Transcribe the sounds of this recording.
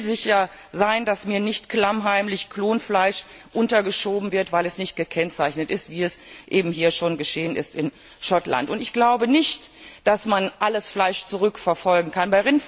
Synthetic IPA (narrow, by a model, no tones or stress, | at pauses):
zɪçja | zaɪndasmiːɐnɪçtklamɦaɪmlɪçkʰloːnflaɪʃʔʊntɐɡəʃoːbm̩vɪɐtv̥aɪlɛsnɪçt̚ɡ̥əkʰɛnt͡saɪçnətʔɪstv̥iːɛsʔeːbm̩hiːɐʃoːnɡəʃeːənɪ̰stɪn | ʃɔtla̰ntʊntɪçɡ̥laʊbənɪçtd̥asmanʔaləsflaɪʃt͡suʁ̞ʏkfɛɐfɔlɡŋ̩kʰanbaɪʁɪn